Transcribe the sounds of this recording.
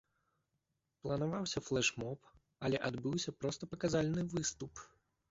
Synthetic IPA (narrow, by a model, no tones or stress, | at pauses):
plˠɐnavawsʲɐflˠɛʂmɔp | alʲɛʔad̪bɨwsʲɐpɾɔst̪ɐpɐkazalʲnɨvɨst̪up